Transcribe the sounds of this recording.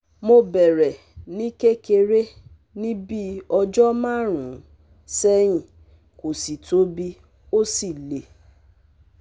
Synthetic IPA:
mo˧bɛ˨ɾɛ˨ | nĩ˦ke˦ke˧ɾe˦ | nĩ˦bi˦ɔ˧d͡ʒɔ˦mã˦˨ɾ̃ũ˨˦ | sɛ˦ĩ˨ | ko˨si˨to˨˦bi˧ | o˦si˦˨le˨

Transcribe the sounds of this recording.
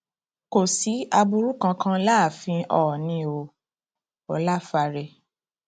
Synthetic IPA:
ko˨si˨˦a˧bu˧ɾu˦kã˧kã˦la˦˨fĩ˧ɔ˧˨ɔ˨nĩ˧o˧ | ɔ˨˦la˦fa˧ɾɛ˧

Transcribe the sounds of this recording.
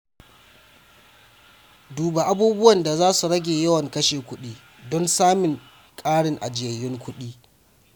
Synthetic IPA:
duː˨ba˨ʔa˦buː˦bʊ˦wɐ˨nda˨zaː˦su˨ɽɐ˦ɡʲeː˨jɐ˦wɐ˨ŋkɐ˦ʃeː˨kʷʊ˦ɗiː˦ | dɔ˦nsaː˦mɪ˨ŋ | kʼaː˦ɽɪ˨ŋʔa̰˨d͡ʒɪ˦˨ɐ˨jɪ˦ŋkʷʰʊ˦ɗiː˦

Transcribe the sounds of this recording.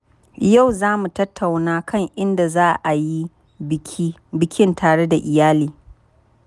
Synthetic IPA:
ja˦˨wzaː˦mu˨tɐ˦tʰːa˨wnaː˦kɐ˦˨ŋʔɪ˦nda˨zaː˦ʔa˨ji˦ | kʲːbɪ˦kʲɪ˦ntʰaː˨ɽe˦da˨ʔɪ˨jaː˦liː˨˦

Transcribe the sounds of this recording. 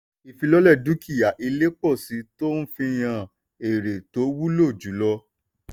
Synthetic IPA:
i˨fi˧lɔ˦lɛ˦˨du˦ki˦˨ja˨ʔi˧le˦k͡pɔ˦˨si˨˦to˦n̩˦fĩ˧j̃ã˧˨ | e˨ɾe˨to˨˦wu˦lo˦˨d͡ʒu˨˦lɔ˧

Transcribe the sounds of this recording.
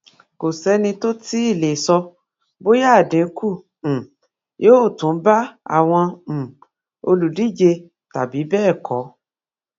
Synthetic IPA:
ko˨sɛ˨˦nĩ˧to˦ti˦i˦˨le˨sɔ˧ | bo˦ja˦˨dĩ˨˦kũ˦˨ | jo˦˨tũ˨˦ba˦a̰˦˨w̃ɔ̃˧˨ | o˧lu˨di˦˨d͡ʒe˧ | ta˨bi˨˦bɛː˦˨kʰɔ˨˦

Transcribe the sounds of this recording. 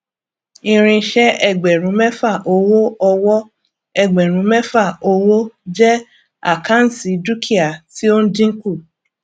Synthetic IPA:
ĩ˧ɾ̃ĩ˧˦ʃɛ˦ɛ˦˨ɡ͡bɛ˨ɾ̃ũ˨˦mɛ˦fa˦˨ʔo˧wo˦ɔ˧wɔ˦ | ɛ˦˨ɡ͡bɛ˨ɾ̃ũ˨˦mɛ˦fa˦˨o˧wo˦d͡ʒɛ˦ | a̰˦˨kã˦n̩˨si˨˦du˦kʰi˦a˨ti˦o˦n̩˦dĩ˦ŋ̩˦ku˦˨

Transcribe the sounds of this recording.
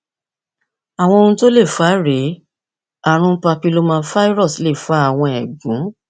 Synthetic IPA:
a˨w̃ɔ̃˧o˧nũ˧to˦le˦˨fa˨˦ɾe˨˦ | a˦˨ɾ̃ũ˧˦pa˧pi˦lo˦mãː˦˧˦fa˦i˦ɾɔ˦˨sle˦˨fa˨˦a˦˨w̃ɔ̃˧ɛ˨ɡũ˨˦

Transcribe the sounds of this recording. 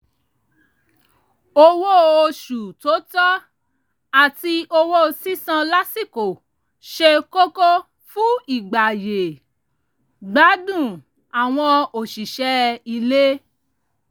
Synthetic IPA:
o˧wo˦o˧ʃu˨to˨˦tɔ˦ | a˦˨ti˧ʔo˧wo˦˧si˦sã˧la˦si˦˨ko˨ | ʃe˧ko˦ko˦ | fũ˦i˨ɡ͡ba˨je˨ | ɡ͡ba˨˦dũ˦˨ | a˨w̃ɔ̃˧o˨ʃi˨ʃɛ˨˦i˧le˦

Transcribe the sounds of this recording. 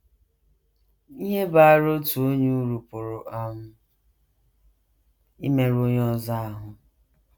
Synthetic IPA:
i˦ɦe˦ba˨a˦˨ɾo˦tu˨o˦ɲu˦ɾu˨pʊ˨ɾʊ˨ʔa˦mʊ˦ | i˦me˦ɾo˦ɲ˦ɔ˦za˦a˨ɦʊ˨

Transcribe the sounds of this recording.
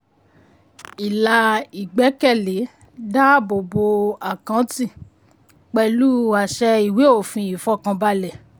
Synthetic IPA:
i˨la˧i˨ɡ͡bɛ˨˦kɛ˦˨le˨˦ | da˦bo˨bo˧a˨kã˨˦tĩ˦˨ | k͡pɛ˧lu˦a˨ʃɛ˧i˨we˨˦o˦˨fĩ˧i˨fɔ˦kã˧ba˧˦lɛ˨

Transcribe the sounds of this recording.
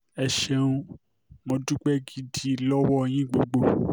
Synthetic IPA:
ɛ˨ʃɛ˧ũ˧ | mõ˧du˦k͡pɛ˦ɡi˧di˦˨lɔ˦wɔ˦e˨j̃ĩ˦ɡ͡bo˨ɡ͡bo˦˨

